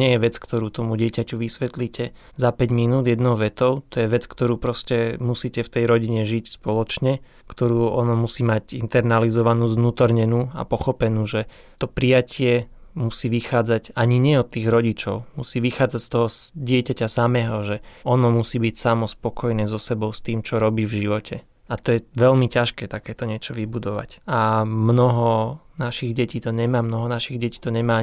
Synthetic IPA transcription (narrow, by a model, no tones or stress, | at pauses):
ɪɛjɛʋɛt͡skt̪ɔɾuːt̪ɔmuɟɪɛcacuʋisʋɛt̪liːcʰɛ | zapɛɟminuːd̪jɛd̪nɔʊʋɛt̪ɔʊt̪ɔjɛʋɛt͡skt̪ɔɾuːpɾɔscɛmusiːcɛft̪ɛjɾɔɟiɲɛʒicspɔlɔt͡ʃɲɛ | kt̪ɔɾuːɔnɔmusiːmaɟint̪ɛɾnalizɔʋanuːznuːt̪ɔɾɲɛnuːa̰pɔxɔpɛnuːʒɛ | t̪ɔpɾijacʰɪɛmusiːʋixaːd͡zaɟaɲiɲɪɛɔt̪ːiːɣɾɔɟit͡ʃɔʊmusiːʋixaːd͡zacst̪ɔɦɔsɟɪɛcacasamɛːɦɔʒɛɔnɔmusiːbicsamɔspɔkɔjnɛːzɔsɛbɔʊst̪iːmt͡ʃɔɾɔbiːvʒiʋɔcʰɛ | at̪ɔjɛʋɛlmicaʃkɛːt̪akɛːt̪ɔɲɪɛt͡ʃɔʋibud̪ɔʋa̰camnɔɦɔnaʃiɣɟɛciːt̪ɔɲɛmaːmnɔɦɔnaʃiɣɟɛciːt̪ɔɲɛmaː